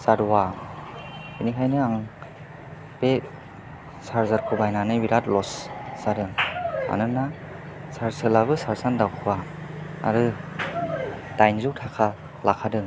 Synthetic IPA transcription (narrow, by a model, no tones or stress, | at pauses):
saɾuwa | inikʰajnɯaŋ | b̥e | saɾzaɾkʰɯbajnanɯbiɾat̚lɔssadɯŋa̰nɯnːa | saɾsɯlabɯsaɾsandawkʰɯba̰ː | ɾɯ | d̥ajnzuwtʰakʰa | lakʰadɯŋ